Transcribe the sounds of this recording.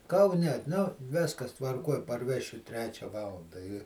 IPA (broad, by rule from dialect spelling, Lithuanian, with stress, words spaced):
kɐʊˈnʲɛ nʊ ˈʋʲɪskɐs tʋɐrˈkuɔj pɐrʲˈʋʲæːʃʲʊ ˈtʲrʲæːt͡ʃʲɛ ˈʋɑːlˠɐndɐ ɪ